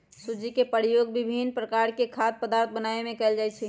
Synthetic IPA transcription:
sud͡ʒikepəɽjoɡbibʱinpɾəkaɾkekʰad̪̚pəd̪aɾt̪̚ʰbənaemẽkɛld͡ʒajt͡ʃʰɛ

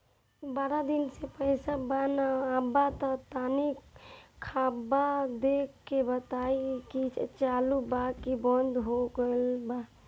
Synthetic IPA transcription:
baːɾad̪ɪnsepəɪsabanaaːbat̪ɔt̪aːnikʰabad̪ekʰːebət̪aikit͡ʃaːlubakibɔ̃nd̪ɦoɡəlba

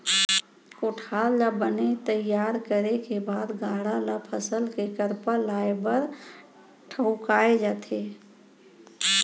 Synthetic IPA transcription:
koːʈʰaːllabənet̪əjaːɾkəɾekebaːd̪ɡaːɽalapʰəsəlkekəɾpalaːebəɾ | ʈʰəʊkaːed͡ʒaːt̪ʰe

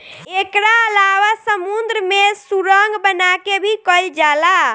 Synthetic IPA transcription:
ekɾaəlaʋasəmund̪ɾəmesuɾəŋɡbənakebʱikəld͡ʒala

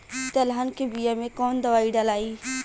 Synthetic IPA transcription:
t̪əlɦankebijamẽkoːnd̪ɐʋaːiːɖalaːiː

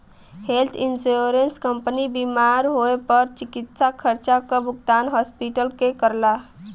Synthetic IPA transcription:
helt̪ʰinsuɾenskəmpənibimaɾɦoepəɾt͡ʃikit̪sakʰəɾt͡ʃakəbʊɡ̚t̪anɦɔspiʈəlkekəɾla

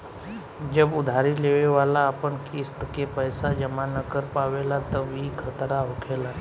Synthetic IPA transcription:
d͡ʒəbʊd̪ʱaːɾileːʋeʋaːlaəpənkʰist̪kepəjsad͡ʒəmanəkəɾpaːʋelat̪əʋikʰət̪ɾaɦʊkʰeːla

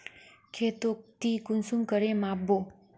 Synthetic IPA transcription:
kʰet̪ok̚t̪ikunsumkəɾẽmabːo

